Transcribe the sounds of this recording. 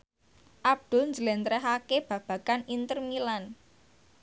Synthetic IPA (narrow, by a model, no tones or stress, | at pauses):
ʔab̚d̪̥ʊlɲd͡ʒəlent̪ɾɛɦakeb̥ä̤b̥ä̤kanint̪ərmilan